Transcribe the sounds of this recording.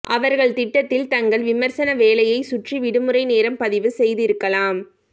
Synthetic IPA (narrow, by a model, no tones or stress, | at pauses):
ʔɐʋɐɾɣɐɭt̪ɪʈːɐt̪ːɪlt̪ɐŋɡɐɭʋɪmɐɾsɐnɐʋeːlɐjɐɪsʊʈriʋɪɽɯmɯɾɐɪneːɾɐmpɐðɪʋɯsɛjðɪɾɯkːɐlaːm